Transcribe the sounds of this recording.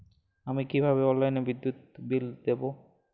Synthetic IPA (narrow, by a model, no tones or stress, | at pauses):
amikibʱaβeɔlajnebid̪ːjut̪̚bild̪ebo